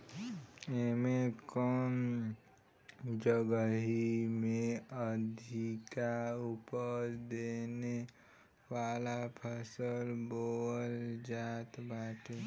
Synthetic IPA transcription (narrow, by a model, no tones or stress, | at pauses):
emekɔːn | d͡ʒəɡəɦimẽəd̪ʱikaupəɾd̪eːne | waːlapʰəsəlboːld͡ʒaːt̪baːʈʰe